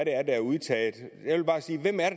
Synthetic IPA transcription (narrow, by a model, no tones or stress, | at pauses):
ɾeæɐd̥æɐuðˠt͡sʰɛ̰ːð̩ˠjɑʋe̝lb̥ɑ̈ːsiːʋemæɐ